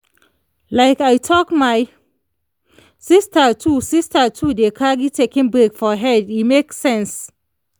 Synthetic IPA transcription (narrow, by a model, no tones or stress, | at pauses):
laɪkajtʰɔkmaj | sistatʰusistatʰudekʰaɡitʰekĩŋbɹeɡfɔɦɛdimeksɛ̃ns